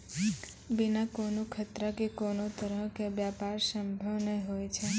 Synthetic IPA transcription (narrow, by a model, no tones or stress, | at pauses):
binakonũkʰət̪ɾəkekonot̪əɾəɦkebjapaɾsəmbʱəʋneɦojt͡ʃʰe